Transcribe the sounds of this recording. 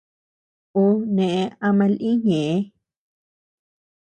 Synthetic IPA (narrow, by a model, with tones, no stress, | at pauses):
o˦nẽ˨ʔẽ˧a˧mã˧lʔĩ˦ɲẽ˨ʔe˦